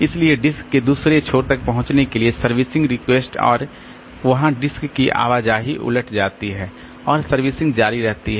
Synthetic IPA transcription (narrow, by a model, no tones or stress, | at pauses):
ɪslieɖɪskːed̪uːsɾet͡ʃʰoːɾt̪ɐk̚pɐɦʊ̃t͡ʃnekeliesɐɾʋɪsɪ̃ŋɡɾɪkweːsʈɔ̰ːɾ | ʋɐɦãɖɪskːiʔa̰ːʋaːd͡ʒaɦiʔʊ̰ləʈʰd͡ʒaːt̪iɦɛː | ɔːɾsɐɾʋɪːsɪ̃ŋɡd͡ʒaːɾiɾɛɦt̪iɦɛː